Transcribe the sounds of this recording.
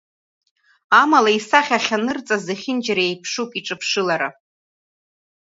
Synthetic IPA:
amalaisaχʲaχʲanɨrt͡sʼazaχʲɪnd͡ʒaɾaejpʰʂukʼiʈ͡ʂʼɨpʰʂɨlaɾa

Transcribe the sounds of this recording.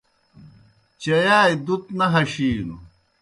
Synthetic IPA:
t͡ɕɐjaːjd̪ut̪nɐɦɐɕiːnu

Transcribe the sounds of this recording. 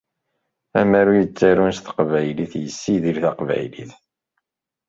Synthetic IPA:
æmæɾujət͡sːaɾunst̪ə̥qvæjliθjəsːiðilθæqvæ̰jlḭθ

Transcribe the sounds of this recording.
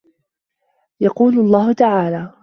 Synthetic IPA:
jɑquːlʊɑlˤːɑːhʊt̪aʕaːlaː

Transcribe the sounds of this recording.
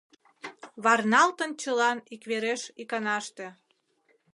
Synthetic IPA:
βɑrnɑlt̪ənt͡ɕəlɑnikβeɾeʃikɑnɑʃt̪ĕ

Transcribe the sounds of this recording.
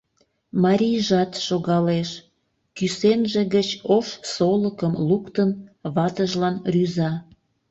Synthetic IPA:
mɑɾʲijʒɑt̪ʃoɣɑleʃ | kysenʒĕɣət͡ɕoʃsoləkəmlukt̪ənβɑt̪əʒlɑnryzɑ

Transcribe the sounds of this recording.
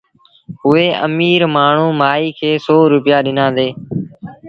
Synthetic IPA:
ɦʊeːʔə̰miːɾmaːɳ̤ũːmaːiːkʰeːsoːɾʊpɪjaːɗɪnãːd̪eː

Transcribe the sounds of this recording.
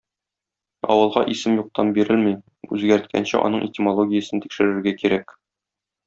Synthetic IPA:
ɒ̰wɤ̆lˠʁɑʔisɘmjuq̚t̪ɑmbiɾɘlmi | ʉzɡæɾt̪̚kʰæ̰nɕɘ̰ʔɒ̰nɤɴʔetʲɪmolˠoɡʲɪjəsɤnt̪i̥kʃɘ̆ɾɘ̆ɾɡækiɾæk

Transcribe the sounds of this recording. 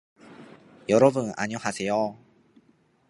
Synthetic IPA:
jʌɾʌbɯna̰ɲohasʰejo

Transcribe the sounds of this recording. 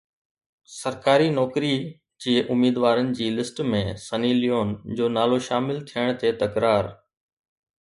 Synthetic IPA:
sɐɾkaːɾinɔːkɾi | d͡ʑiːʔʊmiːd̪ʋaːɾənɪ̆d͡ʑiːlɪsʈmẽsɐniːlijoːnd͡ʑoːnaːloʃaːmɪlt̪ʰijəɽ̃t̪ʰet̪ɐkɾaːɾ

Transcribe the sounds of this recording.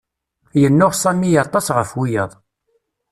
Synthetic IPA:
jənːʊʁsæmːijɑɾt̪ˤɑsʁəfwijəðˤ

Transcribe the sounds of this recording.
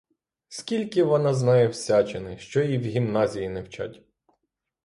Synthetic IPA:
skʲilʲkɪʋɔnɑznɑjɛwsʲat͡ʃenɪʃt͡ʃɔiwɦʲimnɑzʲijinewt͡ʃa̰tʲ

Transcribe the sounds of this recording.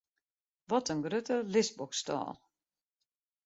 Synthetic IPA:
ʋɔtənɡrøtəlɪsbɔkstɔ̰ːlˠ

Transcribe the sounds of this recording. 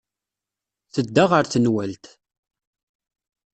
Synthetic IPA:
θəd̪ːaʁəɾθənwælt̪

